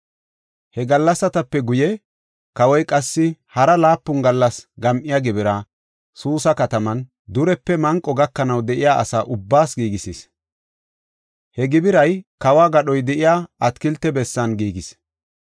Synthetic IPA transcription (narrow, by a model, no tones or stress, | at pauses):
hɛɡɐlːɐsːɐt̪ɐpːɛɡʊjɛ | kɐwɔjkʼɐsːɪhɐɾɐlaːpːʊnɡɐlːɐsɡɐmʔɪjaɡɪbɪɾɐ | suːsɐkɐt̪ɐmɐn | d̪ʊɾɛpːɛmɐŋkʼːɔɡɐkːɐnɐwd̪ɛʔɪjaːʔɐsaːʔʊbːaːsɡiːɡɪsiːs | hɛɡɪbɪɾɐjkɐwaːɡɐɗɔjd̪ɛʔɪjaːɐt̪kɪlt̪ːɛbɛsːɐnɡiːɡɪs